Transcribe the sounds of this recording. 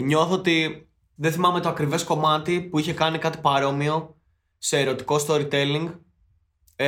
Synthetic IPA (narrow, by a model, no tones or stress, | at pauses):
ɲo̞θoot̪i | ðeθimɐme̞t̪oɐkɾive̞sko̞mɐt̪ipuiçe̞kɐnikɐt̪i̥pɐɾo̞mio̞ | se̞ːɾo̞t̪i̥ko̞st̪o̞ɾit̪e̞liŋɡ